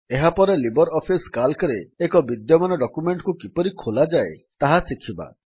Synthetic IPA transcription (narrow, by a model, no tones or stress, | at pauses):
eɦapɔɾelibɔɾɔpʰiskalkɔɾeːkɔbid̪jɔmanɔɖɔkumeɳʈkukipɔɾikʰolad͡ʒaet̪aɦasikʰiba̰